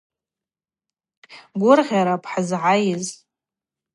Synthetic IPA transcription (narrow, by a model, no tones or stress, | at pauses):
ɡʷʊrʁʲaɾapʰʼħazʕajɪz